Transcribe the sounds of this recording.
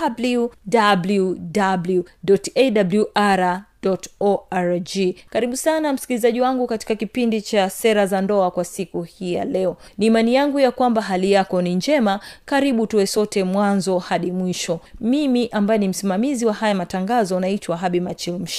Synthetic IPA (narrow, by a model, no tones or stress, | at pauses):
abludabludabluɗɔtɛɗabljuʔaɾadɔtɔaɾd͡ʒikaɾiɓusanam̩skilizaʄiwaŋɡukati̥kakipindit͡ʃasɛɾazandɔakwasikuhiːja̰lɛɔniːmanijaŋɡujakwambaɦalijakɔniɲd͡ʒɛmakaɾiɓutuwɛsɔtɛmwanzɔhaɗimwiʃɔmimiʔambajɛnim̩simamiziwahajamataŋɡazɔnaitwaɦaɓimat͡ʃilm̩ʃ